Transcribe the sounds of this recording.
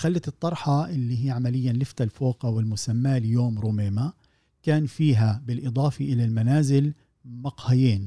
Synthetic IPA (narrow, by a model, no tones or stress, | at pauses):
xalːat̪ɨt̪ˤːɑɾˤħɑʔɪlːiːɦijːʕamalɪjːanlɪft̪alfoːqɑwɪlmʊsamːaljoːmɾuːmeːma | kaːnfiːɦabɪlʔɨd̪ˤɑːfiʔɪlalmanaːzɪl | mɑqhɪjiːn